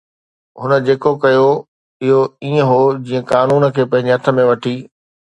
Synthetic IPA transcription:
ɦʊnə̆d͡ʑeːkokɐjo | ɪɦoiːə̃ɦod͡ʑiːə̃kaːnuːn̆kʰeːpɐ̃ɦɪ̃ɲd͡ʑɪɦɐt̪ʰə̆mẽʋɐʈʰiː

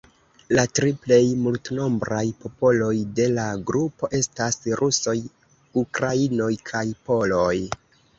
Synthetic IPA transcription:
latɾiple̞jmultno̞mbɾajpo̞po̞lo̞jde̞laɡɾupo̞ʔe̞stasɾʔuso̞j | ukɾaino̞jkʰajpo̞lo̞j

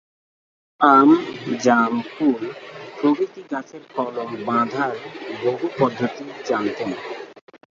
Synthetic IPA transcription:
amd͡ʑamkulpɾobit̪iɡat͡ɕʰeɾkɔlombãd̪ʱaɾboɦupɔd̪ʱːot̪id͡ʑant̪en

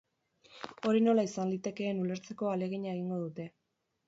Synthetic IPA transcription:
o̞ɾino̞laisanlit̪e̞ke̞ːnule̞ɾt͡se̞ko̞ale̞ɣiɲae̞ɣiŋɡo̞ðut̪e̞

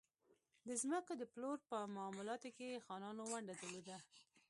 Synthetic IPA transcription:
d̪əzməkod̪əploɾpəmaːmulɑt̪okexɑnɑnowaɳɖad̪əlod̪a

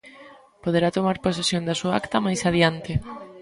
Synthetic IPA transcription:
poð̞eɾat̪omaɾpos̬esjond̪asuaa̰kt̪ɐmajsaðjant̪ɪ

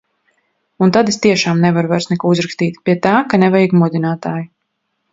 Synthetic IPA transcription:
unt̪ad̪est̪iɛʃaːmnɛvaɾvɛɾsnɛkɔuzɾakst̪iːt̪piɛt̪aːkanɛvajiɡmud̪inaːt̪aːju

